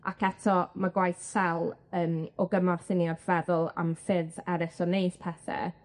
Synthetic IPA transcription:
a̰kʰɛtʰɔmaɡwajθsɛlˠəːmɔɡəmarθɪniɔv̥ɛðʊlˠa̰mfɪðɛɾɪsɔnejspʰɛθɛ̰

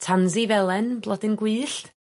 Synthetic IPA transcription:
tʰanzivɛlˠɛnblˠɔdɪnɡwɨːɬt

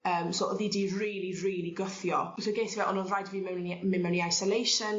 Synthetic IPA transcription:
əːmsɔʔɔðidiriːlˠiriːliɡəθjɔsoɡeːsvɛʔɔnɔrajdviːmɛwnimɪnmɛwniajsɔlejʃən

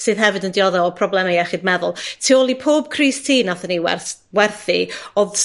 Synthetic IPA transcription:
sɨðɦɛvɨdəndɪɔðɔɔpʰrɔblɛmejɛχɨd̚mɛðʊlˠtʰiːolˠipʰoːb̥̚kʰriːstʰiːnaθəniwɛ̰rwɛrθḭoð

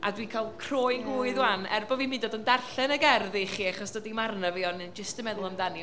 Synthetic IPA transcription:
ʔa̰dwiːkʰalˠkʰr̥oːɨnɡuːɨðwanɛ̰rbɔvimɪ̃ndodəndarɬɛnəɡɛrðiχiːaχɔsd̥ədimarnaviɔnd͡ʒɪstəmɛðʊlˠəmdani

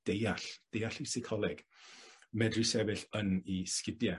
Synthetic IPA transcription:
d̥ejaɬd̥ejaɬisɪkʰɔlˠɛɡ̥ | mɛdrisɛvɨɬəniskɪdja

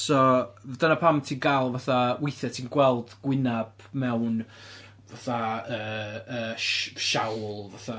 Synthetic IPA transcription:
sɔd̥ənapʰamtʰiːnɡalˠvaθawɪjθɛtʰiːnɡwɛlˠd̥ɡ̥wɪnab̥ | mɛwn | vaθaəːəːʃʃawlˠvaθa

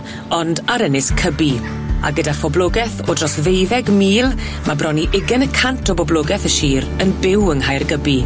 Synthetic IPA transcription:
ɔndaɾənɪskʰəbi | a̰ɡədafɔblˠoɡɛθɔdrɔsvejðɛɡmiːlˠ | mabrɔniʔɪɡənəkʰantʰɔbɔbloɡɛθəʃiːɾənbɪwənhajrɡəbi

